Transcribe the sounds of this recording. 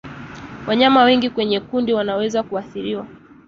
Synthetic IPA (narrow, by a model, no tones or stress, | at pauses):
wʔaɲamawɛŋɡikwɛɲɛkundiwanawɛzakuaθiɾiwa